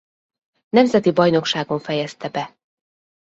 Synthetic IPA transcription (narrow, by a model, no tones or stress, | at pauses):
nɛmzɛt̪ibɒjno̞kʃaːɡo̞ɱfɛjɛst̪ɛbɛ